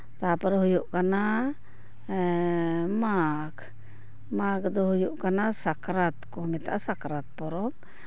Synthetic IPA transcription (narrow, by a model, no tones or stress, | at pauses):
t̪apaɾɦujuʔkana | makʰ | makd̪ɔɦujuʔkanasakɾat̪kɔmɛt̪a̰ʔasakɾat̪̚pɔɾɔm